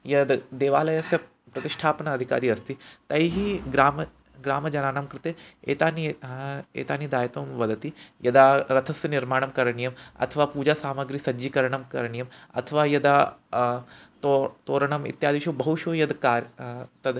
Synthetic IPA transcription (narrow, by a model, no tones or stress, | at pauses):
jɐd̪d̪eːʋaːlɐjɐsjɐ | pɾɐt̪iʂʈʰaːpɐnɐɐd̪ʱika̰ːɾiːɐst̪it̪ɐjiɦiɡɾaːm | ɡɾaːmɐd͡ʒɐnaːnamkɾɪt̪eḛːt̪aːniḛːt̪aːnid̪aːjɐt̪oːmʋɐd̪ɐt̪ijɐd̪aːɾɐt̪ʰɐsjɐniɾmaːɳɐmkɐɾɐɳijɐmɐ̰t̪ʰɐʋaːpuːd͡ʒaːsaːmɐɡɾisɐd͡ʒikɐɾɐɳɐmkɐɾɐɳijɐmɐ̰t̪ʰɐʋaːjɐd̪aː | t̪ot̪oːɾɐɳɐmḭt̪jaːd̪iʃobɐɦuʃoːjɐd̪kaːɾt̪ɐd̪